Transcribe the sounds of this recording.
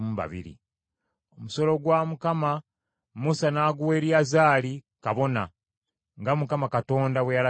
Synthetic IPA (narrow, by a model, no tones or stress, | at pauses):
uβa̰βḭɾḭ | o̞muso̞lo̞ɡwaːmukama | musanaːɡuwe̞ːɾjazaːli | kaβo̞na | ŋɡamukamakato̞ːndawejala